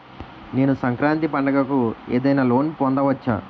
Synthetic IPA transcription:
ne̞ːnusɐŋkɾaːnt̪ipɐɳɖɐɡɐkueːd̪ɐjnaːlo̞ːnpɔnd̪ɐʋɐt͡ʃːa̰ː

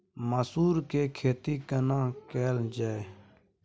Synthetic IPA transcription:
məsuːɾkeːkʰeːt̪iːkənãːkɛːld͡ʒaːe

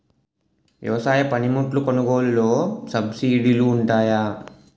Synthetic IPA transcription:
ʋjɛ̰ʋɐsaːjɐpɐnimuʈlukonuɡo̞ːlulo̞ːsɐbsiːɽiluːɳʈaːjaː

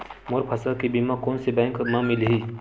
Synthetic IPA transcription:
moɾpʰɐsakibimãkoːnsebɛ̃ːŋkmãmilɦiː

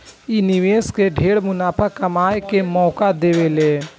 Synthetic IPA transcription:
iniʋeːskeɖʱeːɽmʊnaːpʰakəmaːjkemɔːkad̪eːʋeleː

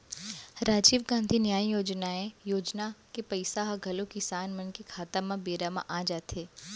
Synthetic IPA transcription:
ɾaːd͡ʒiːʋɡãːnd̪ʱinjaːijoːd͡ʒnaẽjoːd͡ʒnakepɐɪsaɦɐɡʱɐlõkɪsaːnmɐnkikʰaːt̪amãbeːɾamã̰ʔad͡ʒaːt̪ɦeː

